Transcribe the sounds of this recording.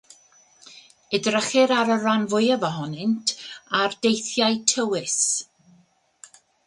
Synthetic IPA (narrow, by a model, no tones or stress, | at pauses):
ɪdrəχɪɾaɾəranvʊjəvɔɦɔnɪntʰardejθjajtʰəwɪs